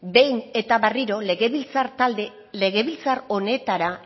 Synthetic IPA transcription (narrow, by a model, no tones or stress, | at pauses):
be̞jne̞t̪aβariɾo̞leɣeβilt͡saɾt̪ald̪e | le̞ɣe̞βilt͡saɾo̞ne̞t̪aɾa